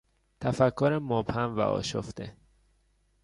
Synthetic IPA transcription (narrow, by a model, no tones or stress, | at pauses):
t̪ʰæfækʰːoɾemobhæmvæ̰ʔɒ̰ːʃoft̪ḛ